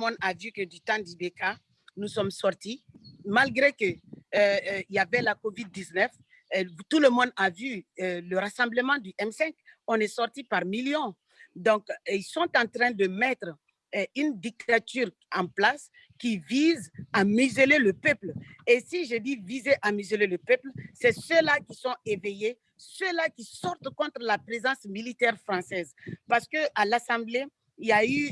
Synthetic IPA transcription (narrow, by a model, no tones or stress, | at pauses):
mɔ̃d̪avykəd̪yt̪ãd̪ibeka | nusɔmsɔʁt̪imalɡʁekə | ilavɛlakovid̪̚ːiznɛf | t̪uləmɔ̃d̪avyləɾasɑ̃bləmɑ̃d̪yʔɛmsɛ̃kɔ̃nɛsɔʁt̪ipaʁmiljɔ̃ | d̪ɔ̃kilsɔ̃t̪ãt̪ɾɛ̃d̪əmɛt̪ɾ | ynd̪ik̚t̪at̪yːʁ | ãplas | kivizamyzeleləpøplesiʒed̪ivizeʔamyzøleləpøplsɛsølakisɔ̃eveje | sølakisɔʁt̪kɔ̃t̪ɾlapʁezɑ̃smilit̪ɛʁfɾɑ̃sɛzpaʁsə̥kəʔalasɑ̃ble | iljay